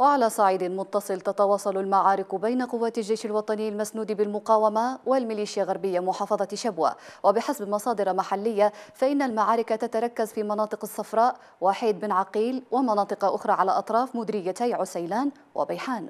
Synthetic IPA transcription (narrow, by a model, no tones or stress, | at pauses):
waʕalaːsˤɑʕiːd̪ɪmʊt̪ːɑsˤɨlt̪at̪ɑwɑːsˤɑlalmaʕaːɾɪkbajnaqʊwːaːt̪ald͡ʒːajʃalwɑt̪ˤɑnɪjːalmasnuːd̪ibɪlmʊqɑːwamawɪlmɪliːʃjalɣaɾˤbɪjːamʊħɑːfɑðˤɑʃabwa̰ːwabɪħasabmɑsˤɑːd̪ɨɾɑmaħalːɪjːafaʔɪnːalmaʕaːɾɪkat̪at̪aɾˤɑkːazfiːmɑnɑːt̪ˤɨqɑsːɑfɾˤɑːʔ | waːħiːd̪̚bɪnʕɑqiːlwɪmɑnɑːt̪ˤɨqɑʔʊxɾˤɑːʕalaʔɑt̪ˤɾˤɑːfmʊd̪ɾɪjːat̪ajʕʊsajlaːn | wa̰bajħaːn